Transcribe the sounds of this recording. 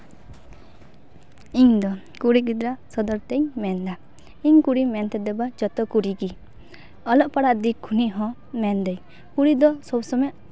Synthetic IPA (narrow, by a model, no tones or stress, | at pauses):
iɲd̪ɔ | kuɽiɡid̪ɾasɔd̪ɔɾt̪ɛɲmɛnd̪a | iɲkuɽimɛnt̪ɛd̪ɛbad͡ʒɔt̪ɔkuɾiɡi | ɔlɔʔpaɽaʔd̪ikʰuniʔɦɔ̃ | mɛnd̪ɛj | kuɽid̪ɔsɔbsɔmɛʔ